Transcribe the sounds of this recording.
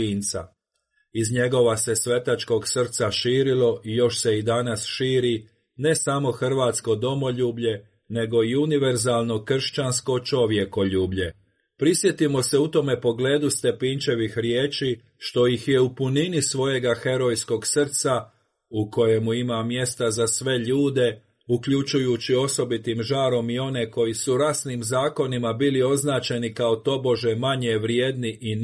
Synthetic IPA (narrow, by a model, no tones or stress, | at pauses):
iːnt̪sa̰ | izɲe̞ɡo̞ʋase̞sʋe̞t̪at͡ʃko̞ɡsr̩t̪saʃiːɾilo̞ijo̞ʃse̞id̪anasʃiːɾi | ne̞samo̞xr̩ʋaːt̪sko̞d̪o̞mo̞ʎuːbʎe̞ | ne̞ɡo̞iuniʋe̞ɾzaːlˠno̞kr̩ʃt͡ɕansko̞t͡ʃo̞ʋje̞ko̞ʎuːbʎe̞ | pɾisje̞t̪imo̞se̞ut̪o̞me̞po̞ɡle̞ːd̪ust̪e̞pint͡ʃe̞ʋixɾjeːt͡ʃiː | ʃt̪o̞jixje̞upuninisʋo̞je̞ɡaxe̞ɾo̞jsko̞ɡsr̩t̪sa | uko̞je̞muimamje̞st̪azasʋe̞ʎuːd̪e̞ | ukʎut͡ʃujut͡ɕio̞so̞bit̪imʒaːɾo̞mio̞ne̞ko̞jisuɾasnimzaːko̞nimabiːlio̞znaːt͡ɕe̞nikao̞t̪o̞bo̞ʒe̞maɲeʋɾje̞ːd̪niʔi